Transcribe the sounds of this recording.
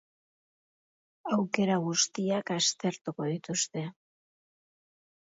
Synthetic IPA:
awke̞ɾaɣ̞ust̪iakast̪e̞ɾt̪uko̞ðit̪ust̪e̞

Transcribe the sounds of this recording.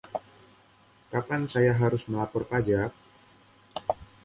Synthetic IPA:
kapansajaɦaɾʊsməlapɔrpad͡ʒa

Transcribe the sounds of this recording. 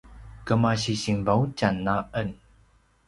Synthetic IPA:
kəmaɕiɕiŋvawt͡ɕanːaʔən

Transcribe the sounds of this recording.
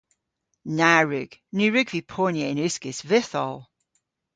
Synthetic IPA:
naɹʉɡ̥nʉɹʉɡvipʰɔːnjəɪnʉskɪsvɪθɔ̰lˠ

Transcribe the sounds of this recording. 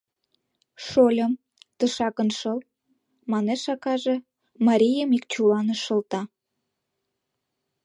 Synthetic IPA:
ʃolʲəm | t̪əʃɑkə̆nʃəl | mɑneʃɑkɑʒe | mɑɾʲijəmikt͡ɕulɑnəʃə̆lt̪ɑ

